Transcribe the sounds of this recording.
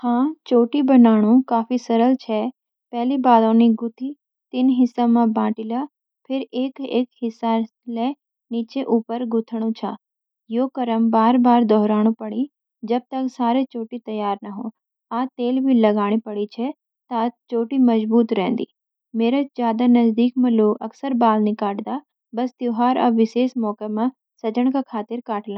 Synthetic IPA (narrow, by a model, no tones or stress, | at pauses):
hãːt͡ʃoːʈibɐnaːɽ̃ũkaːfisɐɾəlt͡ʃʰɛ | pɛɦlibaːd̪õniɡʊt̪ʰi | t̪ɪnɦɪsamãbãːʈɪla | pʰɪɾeːkeːkɦɪsa | le | niːt͡ʃeʔuːpəɾɡʊt̪ʰəɽ̃ũt͡ʃʰa̰ | joːkɐɾəmbaːɾbaːɾd̪ɔɦɾaːɽ̃ũpɐɽ̃i | d͡ʒɐb̚t̪ɐksaːɾet͡ʃoːʈit̪ɐjaːɾnɐɦõː | aːt̪eːlbʱilɐɡaːɽ̃ipɐɽit͡ʃʰɛ | t̪at͡ʃoːʈimɐzbuːt̪ɾɛ̃ːn̆d̪ḭː | meːɾazjaːd̪anɐzd̪iːk̚mɐ̃loːɐksəɾbaːlnikaːʈd̪a | bɐst̪joːɦaːɾɐ̰ʋɪseːʃmɔːkemã | sɐd͡ʒəɽ̃kakʰaːt̪ɪɾkaːʈlãː